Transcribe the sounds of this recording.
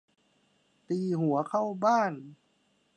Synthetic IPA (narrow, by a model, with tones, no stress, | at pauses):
t̪iː˧˩ɦu˨˩˦ɐkʰa˥˩wbaː˥˩˨n